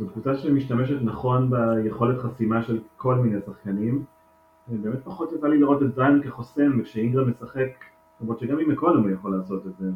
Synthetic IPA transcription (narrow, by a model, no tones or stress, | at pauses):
zotvut͡saʃemiʃtameʃetnaχo̞nbejeχo̞letχasimaʃe̞lkʰo̞lminejsaχkanim | ebe̞ːmet̚paχo̞tjat͡saliliʁo̞tezajnkeχo̞semvekʃeiŋɡamesaχek | lomʁotʃeɡamimekolamujaχo̞laːso̞tetze